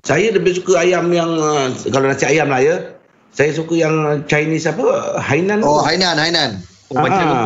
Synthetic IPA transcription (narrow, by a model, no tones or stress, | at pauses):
sajələbɪʔsukəajamjaŋəkalonãsiajamlajə | sajəs̬ukəjaŋt͡ʃajnisapəhainãnoɦainanhainan | obaa